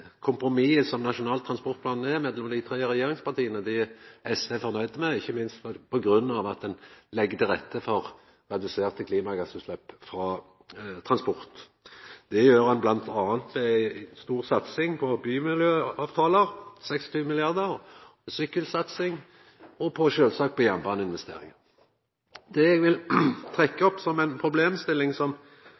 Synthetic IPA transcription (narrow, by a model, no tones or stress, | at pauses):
kʰʊmpɾʊmiːəsɔmnɑʂʊnɑːlt̪ʰːɾɑnspɔʁt̪̚pʰlɑːnːɛmɛd̪lɔmd̪æɪt̪ʰɾeːəʁɛjeːɾʁɪŋspɑʁt̪ʰiːənəd̪ɪʔɛsʋɛfɔʁnœʏd̪əmɛɪçːəmɪnst̪fpʰɔɡʁʉnːɑʋɑt̪̚d̪ɛnlɛɡːt̪əɾɛt̪ːəfɔʁ | ʁɛd̪ʉseːʁt̪əkʰliːmɑɡɑsʉːt̪slɛpːfɾɑː | t̪ʰʁɑnspɔʁt̪ | d̪̥ɛjøːʁhɑnblɑnt̪ʰɑːnt̪ʋɛɪst̪uːʁsɑt̪sɪŋpʰɔbyːmɪljøːɑːʋt̪ʰɑːləʁsɛksɔ̥t̪ʰyːʋəmɪlɪɑʁd̪əʁsʏkːəlsɑt̪sɪŋ | ɔpʰɔʃøːlsɑːk̚pʰɔjɛmbɑːnəɪnʋɛst̪ḛːʁɪŋə | d̪ɛɛɡʋɪlt̪ʰʁɛkːəɔpːsɔmæɪnpʰʁʊbleːmst̪ɪlɪŋsɔm